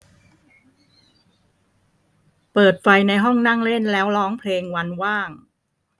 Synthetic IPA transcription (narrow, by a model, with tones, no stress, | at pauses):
pɤː˨˩t̪̚fa˧jna˧jɦɔ˥˩ŋna˥˩ŋle˥˩nlɛː˦˥wlɔː˦˥ŋpʰleː˧ŋwa˧nwaː˥˩ŋ